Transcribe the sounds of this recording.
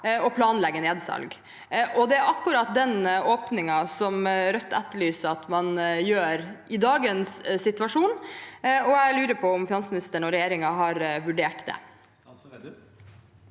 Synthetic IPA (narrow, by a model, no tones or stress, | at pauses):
ɔpʰlɑːnlɛɡːəneːd̪sɑ̰lɡ | ʔɔd̪ɛæɾɑkːʉɾɑt̪̚d̪ɛnoːpnɪŋɑsɔmɾœt̪ʰːɛt̪ːəɭyːsəɾɑt̪mɑnjøːɾʔɪd̪ɑːɡənsːɪt̪ʋɑʂuːn | ɔæɪlʉːɾəpʰɔɔmfɪnɑnsəmɪnɪst̪əɳɔɾɛjeːɾɪŋɑɦɑɾʋʉɖeːʈd̪ɛ̰